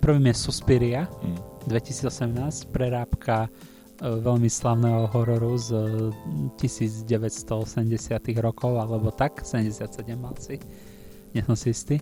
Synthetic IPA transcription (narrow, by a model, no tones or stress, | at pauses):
pr̩ʋiːmjɛsuspiɾiad̪ʋɛci̥siːd͡zɔsɛmnaːscpɾɛɾaːpkʰa | ʋɛʎmislaʊnɛɦɔɦɔɾɔɾuz | cisiːd͡zɟɛʋɛcst̪ɔɔsɛmɟɛsɪat̪iɣɾɔkɔʊalɛbɔt̪aksɛɛmɟɛsɪat̪sɛɟɛmːalsi | ɲɛsɔmsiist̪iː